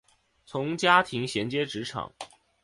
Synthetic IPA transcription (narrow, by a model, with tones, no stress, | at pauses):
t͡sʰʊ˧˥ŋt͡ɕja˥t̪ʰi˧˥ŋɕjɛ˧˥nt͡ɕjɛ˥ʈ͡ʂɻ̩˧˥ʈ͡ʂʰɑ̰˨˩˦ŋ